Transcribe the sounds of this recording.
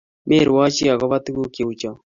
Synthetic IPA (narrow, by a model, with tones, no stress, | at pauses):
me˦˨ɾwa˦t͡ʃi˦a˨ɣɔ˦βa˦tu˦ɣu˦ke˨u˨t͡ʃɔ˨